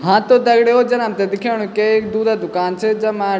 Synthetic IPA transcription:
ɦãːt̪õːd̪əɡɽeːoːd͡ʒənəmt̪ed̪ɪkʰjaːɽ̃ũkekd̪uːd̪aːd̪ʊkaːnt͡ʃʰed͡ʒəmãː

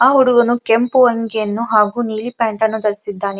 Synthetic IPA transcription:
aːɦuɽuɡɐnukempuɐŋɡijɐnːuɦaːɡuniːlipaːɳʈɐnːud̪ɐɾisid̪ːaːne

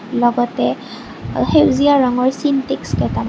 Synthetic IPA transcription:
lɔɡɔtɛ | hewziaɹɔŋɔɹsintekskɛta

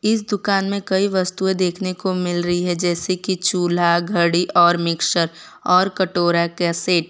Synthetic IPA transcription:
ɪs̬d̪ʊkaːnmẽkɐiʋɐst̪uẽd̪eːkʰnekomɪlɾɐɦiɦɛd͡ʒɛːsekit͡ʃuːl̤aɡʱɐɽiʔɔːɾmɪkʃəɾ | ɔːɾkɐʈoːɾakɛseːʈ

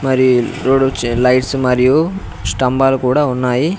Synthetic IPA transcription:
mɐɾiɾoːɖut͡ʃlɐjʈsumɐɾiju | sʈɐmbaːlukuːɽaːunːaːji

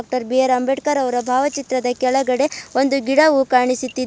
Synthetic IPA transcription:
k̚ʈɐɾbijɐɾɐmbeʈkɐɾɐʋɐɾɐbʱaːʋɐt͡ʃit̪ɾɐd̪ɐkɛɭɐɡɐɽe̞o̞nd̪uɡiɽɐʋukaːɳisut̪ːid̪

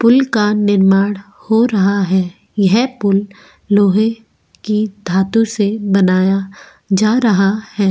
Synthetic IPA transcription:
pʊlkanɪɾmaːɽ | hoɾɐɦaɦɛː | jɐɦpʊlː | oːɦe | kid̪ʱaːt̪ũsebɐnaːja | d͡ʒaːɾɐɦahɛː

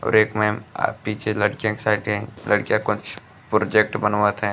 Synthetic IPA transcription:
ɔ̰ːɾeːkmẽa̰piːt͡ʃʰelɐɽkijãksaɪʈɛɛ̃lɐɽkijakʊt͡ʃ | pɾoːd͡ʒek̚ʈbənʋət̪ɦɛ̃ː

